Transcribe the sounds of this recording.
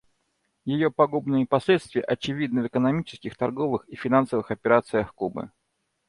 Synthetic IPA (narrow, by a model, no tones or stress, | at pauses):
jɪjopɐɡubnɨjɪpɐsʲlʲet̪st̪vʲɪjə̰ʔɐt͡ɕɪvʲid̪nɨvɨkənɐmʲit͡ɕɪ̥skʲɪxt̪ɐrɡo̞vɨxifʲɪnansəvɨxɐpʲɪɾat̪sɨjəxkubɨ̰